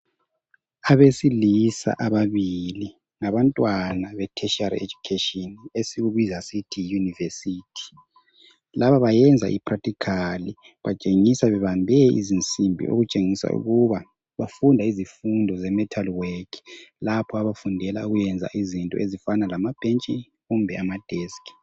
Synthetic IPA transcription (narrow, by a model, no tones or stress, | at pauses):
aβesilisa̰ʔaβaβili | ŋaβantʼwanaβɛtʰɛʃarḛd͡ʒukʰetɔnesiɣuβizasitʰijunivesitʰi̥ | laβaβajɛnd͡zʱa̰ʔḭpʰratikʰali | βat͡ʃʼeŋisaβɛβambʱɛḭzint͡sʼimbʱḭʔo̰ɣut͡ʃʼeŋisa̰ṵɣuβa | βafundʱaizifundʱɔzɛmɛtʰalweklapʰɔaβafundʱɛlauɣujɛnd͡zʱa̰ʔizintʼɔ̰ʔezifanalamab̥ʱent͡ʃʼin | ɣumbʱɛamad̥ʱɛskʰʼi̥